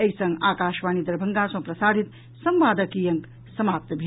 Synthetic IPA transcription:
ɐisɐ̃ŋɡaːkaːʃʋaːnid̪ɐɾbʱɐŋɡasɐ̃pɾɐsaːd̪ʱit̪ | sɐmʋaːd̪əkijɐŋk | sɐmaːp̚t̪bʱi

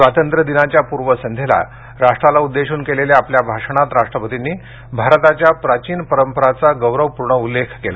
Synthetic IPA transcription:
sʋat̪ənt̪ɾəd̪inat͡ɕjapuɾʋəsənd̪ʱela̰ | ɾaʂʈɾalaud̪ːeɕuːnkeleljaapljabʱaʂɽ̃at̪ɾaʂʈɾəpət̪inːiː | bʱaɾt̪at͡ɕjapɾat͡ɕiːnpəɾəmpəɾat͡saɡəwɾəʋpuɾɳəulːekʰkela̰

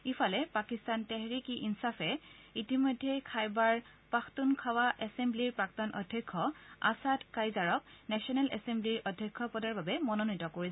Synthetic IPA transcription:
ifʰalɛpakistantɛɦɹikiʔinsafʰɛitimɔjdʱːɛkʰajbaɹ | paxtunkʰawaʔɛsembliɹpɹaktɔnʔɔ̰dʱːjɔkʰːɔa̰sadkajzaɹɔk̚nɛsɔnɛlɛ̰sembliɹʔɔdʱjɔkʰːɔpɔdaɹbabɛmɔnonitɔkoɹi

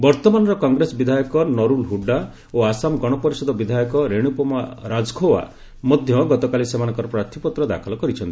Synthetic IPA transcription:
bɔɾt̪ɔmanɔɾɔkɔŋɡɾesɔbid̪ʱajɔkɔnɔɾulɦuɖːa | oasamɡɔɽ̃ɔpɔɾisɔd̪ʱɔbid̪ʱajɔkɔɾeɽ̃upɔmaɾad͡ʒɡʰʱowa̰ | mɔd̪ʱjɔɡɔt̪ɔkalisemanɔŋkɔɾɔpɾat̪ʰipɔt̪ɾɔd̪a̰kʰɔlɔkɔɾit͡ʃʰɔnt̪i̥

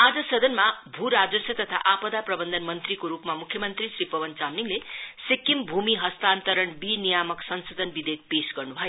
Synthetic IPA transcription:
ad͡zʌsʌd̪ʱʌnmabʱuɾad͡zʌsʌt̪ʌt̪ʰa̰ʔapʌd̪aprʌbʌnd̪ʱʌnmʌnt̪rikoɾupmamukʰjʌmʌnt̪risrɾipʌbʌnt͡samniŋlesikːimbʱumiɦʌst̪ant̪ʌɾʌɳbinijamʌksʌnsod̪ʱʌnbid̪ek̚pesɡʌrnubʱʌjo

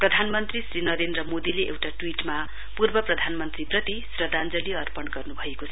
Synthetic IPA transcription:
prʌd̪ʱanmʌnt̪risrinʌɾend̪rʌmod̪ileʔḛwʈaʈwiʈma | purbʌprʌd̪ʱanmʌnt̪riprʌt̪isrʌd̪and͡zʌliʌrpʌnɡʌrnubʱʌekot͡sʰʌ

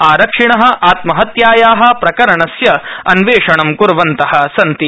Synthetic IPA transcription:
aːɾɐkʂiɳɐɦɐ̆ʔaːt̪mɐɦɐt̪jaːjaːɦɐ̆pɾɐkɐɾɐɳɐsjɐɐnʋeːʂɐɳɐmkuɾʋɐnt̪ɐhɐ̆sɐnt̪i

